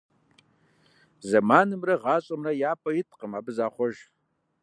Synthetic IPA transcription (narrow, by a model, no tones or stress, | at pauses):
zɐmaːnɨmrɐʁɑːt͡ʃʷʼɐmrɐjaːpʰʼɐjɪtʼqʼəmabɨzaːχʷɔʒ